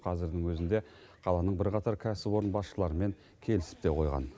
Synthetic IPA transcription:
qʰɑzɪɾd̪ɪŋwɵzɪnd̪e̞ | qʰɑlˠɑnəɴbɪɾqɑt̪ɑɾkʲʰæsɪwo̞ɾənbɑsʃəlˠɑɾəme̞ŋ | kʲʰe̞lɪsɪ̥p̚t̪e̞qʰo̞jʁɑ̰n

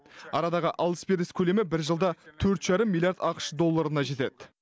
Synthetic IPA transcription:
ɑɾɑd̪ɑʁəʔɑlˠəspeɾəskʲʰɵle̞mɪbɪɾʒəlˠd̪ɑt̪ʰɵɾt̪ʒ̥ɑɾəmːilʲˠjaɾd̪ɑqə̥ʃd̪o̞lˠːaɾənɑʒe̞t̪e̞d̪ɪ

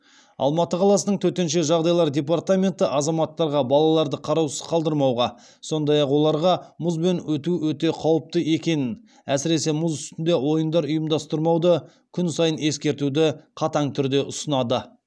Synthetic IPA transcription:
ɑ̰lˠmɑt̪əqʰɑlˠɑsənəɴt̪ʰɵt̪e̞nʃe̞ʒɑʁd̪ɑjlˠɑɾdʲe̞p̬art̪amʲe̞nt̪ɪʔɑzɑmɑt̪ːɑɾʁɑbɑlˠɑlˠɑɾd̪əqʰɑɾɑwsəzqʰɑlˠd̪əɾmɑwʁɑ | so̞nd̪ɑjɑqwo̞lˠɑɾʁɑmʊzbe̞nwɵt̪uwɵt̪e̞qʰɑwəp̚t̪əe̞kʲe̞nɪn | æsɪɾe̞se̞mʊzʏst̪ɪnd̪e̞wo̞jənd̪ɑɾʊjəmd̪ɑst̪əɾmɑwd̪ə | kʲʰʏnsɑjəne̞skʲe̞ɾt̪ud̪ɪqʰɑt̪ɑɴt̪ʰʏɾd̪e̞ʔʊsənɑd̪ə

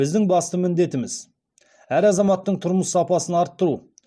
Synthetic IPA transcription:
ɪzd̪ɪŋbɑst̪əmɪnd̪e̞t̪ɪmɪz | æɾɑzɑmɑt̪ːəɴt̪ʰʊɾməsːɑpɑsənɑɾt̪ːʊɾu

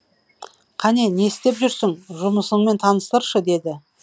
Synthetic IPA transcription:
qʰɑne̞ne̞st̪e̞pʒʏɾsɪŋʒʊməsəɴme̞nt̪ʰɑnəst̪əɾʃəd̪e̞d̪ɪ

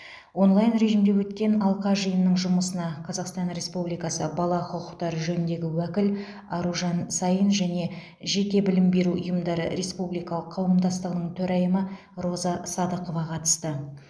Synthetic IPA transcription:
wo̞nlˠɑjənɾe̞ʒimd̪e̞wɵt̪kʲe̞nɑlˠqɑʒəjənːəɴʒʊməsənɑqʰɑzɑqst̪ɑnɾe̞spublijkɑsəbɑlˠɑqʰʊqʊqt̪ɑɾəʒɵnɪnd̪e̞ɡʲɪwækʲɪl | ɑɾuʒɑnsɑjənʒæne̞ | ʒe̞kʲe̞bɪlɪmbe̞ɾuʔʊ̰jəmd̪ɑɾə̰ɾe̞spublijkɑlˠəqʰɑwəmd̪ɑst̪əʁənəɴt̪ʰɵɾæjəmə | ɾo̞zɑsɑd̪əqo̞vɑqʰɑt̪ə̥st̪ə

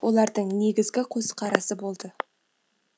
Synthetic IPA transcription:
wo̞lˠɑɾd̪əɴne̞ɡʲɪzɡʲɪqʰosqʰɑɾɑsəbo̞lˠd̪ə

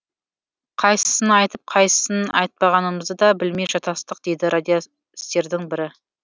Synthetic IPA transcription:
qʰɑjsə̥sənɑjt̪əp̚qʰɑjsə̥sənɑ̰jt̪̚pɑʁɑnəməzd̪əd̪ɑbɪlmeʒɑt̪ɑst̪əq̚d̪e̞jd̪ɪɾʔad̪ʲijo | ɪst̪e̞ɾd̪ɪŋbɪɾɪ

